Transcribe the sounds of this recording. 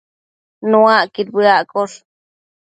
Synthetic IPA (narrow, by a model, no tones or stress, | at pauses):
nuaʔkit̪biaʔkoɬ